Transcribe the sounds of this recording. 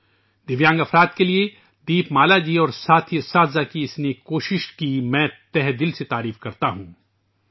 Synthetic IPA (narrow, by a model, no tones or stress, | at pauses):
d̪ɪʋjãːŋɡɐfɾaːd̪̚kelie | d̪iːpmaːlad͡ʒiːɔːɾsaːt̪ʰijəsaːd̪zakiɪsnekoːʃɪʃkimɛ̃ːt̪ɛɦd̪ɪlset̪aːɾiːfkɐɾt̪aɦũː